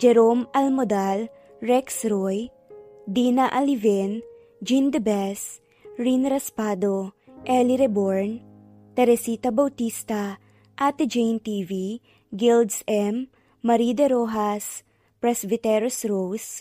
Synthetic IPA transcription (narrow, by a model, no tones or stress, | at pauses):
d͡ʒɛɾomɐlmod̪al | ɹɛksɾoj | d̪inaʔɐlivɛn | d͡ʒind̪ɛbɛs | ɹinɾɐspad̪oʔɛliɾɛboɹn | t̪ɛɾɛsit̪ɐbɐwt̪ist̪ɐ | ʔɐt̪d͡ʒejnt̪ivi | ɡild̪sɛmː | ɐɾid̪ɛɾoɦas | pɾɛsbɪt̪ɛɾosɾows